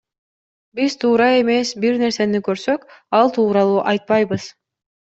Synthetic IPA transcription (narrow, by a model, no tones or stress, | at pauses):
biz̥t̪ʰuːɾɑe̞me̞sbiɾne̞ɾse̞nikøɾsø̞kɑlˠt̪ʰuːɾɑlˠuːʔɑjt̪̚pɑjbɯz